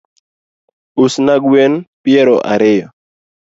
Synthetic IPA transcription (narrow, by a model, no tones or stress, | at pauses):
usnaɡwenpjɛɾoʔa̰ɾejɔ